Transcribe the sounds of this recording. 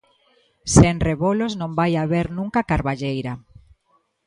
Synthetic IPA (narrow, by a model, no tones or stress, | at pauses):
senreβoloznõmbajaβeɾnũŋkakaɾβaʎejɾa